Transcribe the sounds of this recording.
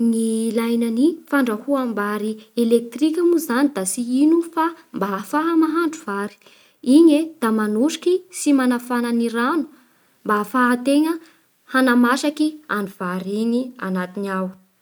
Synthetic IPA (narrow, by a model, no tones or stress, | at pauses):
nilajnanifaɳɖ͡ʐahuambaɾielek̚t̪rikʲamuzanid̪asiinufa | mbafaɦamaɦaɳɖ͡ʐuvaɾi̥ | iɲed̪̥amanuʃi̥kisimanafananiɾanu̥ | mbafaɦat̪eŋə | hanamaʃakia̰ɳɖ͡ʐuv̥aɾiɲia̰nat̪inaw